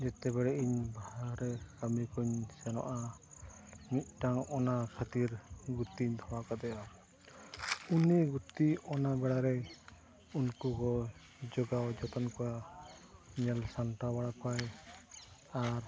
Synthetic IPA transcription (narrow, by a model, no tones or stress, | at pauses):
d͡ʒɛt̪ɛbɛɽɛʔiɲbaaɾɛkamikɔɲsɛnɔ̰ʔa | mit̪̚ˀʈaŋɔnakʰat̪iɾɡut̪iɲt̪ʰɔwakad̪ɛja | uniɡut̪iɔnabɛɽaɾɛ | unkukɔ | d͡ʒɔɡawd͡ʒɔt̪ɔnkɔwa | ɲɛlsanʈabaɽapaj | aɾ